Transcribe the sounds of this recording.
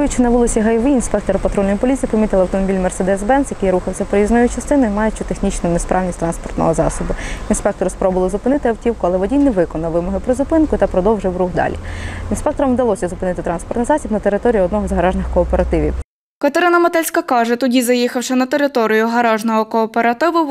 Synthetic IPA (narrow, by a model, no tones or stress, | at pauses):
jʊt͡ʃɪnɐʋulˠɪsʲiɦɐjʋiinspɛk̚t̪ɔɾɐpɐt̪ɾɔlʲnjipɔlʲit̪t͡sʲipɐmʲit̪ɪlˠɐwt̪ɔmɔbʲilʲmersɛd̪ɛsbɛnsjɐkejɾuxɐwsʲɐpɔɾʲiznɔjʊt͡ʃɐst̪ɪnʊjmɑjɛt͡ʃʊt̪exnʲit͡ʃnʊnespɾʔɑwnʲisʲt̪ɾɑnspɔrt̪nɔ̰ɦɔzɑ̰sɔbʊinspɛk̚t̪ɔɾɪspɾɔbʊlˠɪzʊpɪnɪt̪ɪɐwtʲiwkʊɐlˠɛʋɔdʲijnɛʋɪkɔnɐʋɪmɔɦɪpɾɔzʊpɪnkʊt̪ɐpɾɔd̪ɔwʒɪwɾuɦd̪ɑ̰lʲḭinspɛk̚t̪ɔɾɔmwd̪ɐlˠɔsʲɐzʊpɪnɪt̪ɪt̪ɾɑnspɔrt̪ɪjzɑsʲibnɐt̪eɾɪt̪ɔɾʲijʊɔd̪nɔɦɔzɦɐɾɑʒnɪxkɔːpeɾɐt̪ɪʋʲḭw | kɐt̪eɾɪnɐmɐt̪ɛlʲsʲkɐkɑʒɛt̪ɔdʲizɐjixɐwʃɛnɐt̪eɾɪt̪ɔɾʲijʊɦɐɾɑʒnɔɦɔkɔːpeɾɐt̪ɪʋʊ